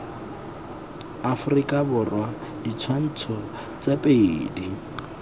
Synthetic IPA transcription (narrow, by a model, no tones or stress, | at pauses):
afʊrikʼabʊrwadit͡sʰwan̩t͡sʰɔ | t͡sapʼeiːdi